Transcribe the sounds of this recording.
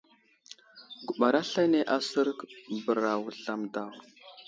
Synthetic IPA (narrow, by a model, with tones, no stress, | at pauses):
ɡu˨ɓa˨ɾa˦ɬa˦jne˦ʔa˦sə˦ɾkbə˨ɾa˨wu˨ɬa˨mda˨w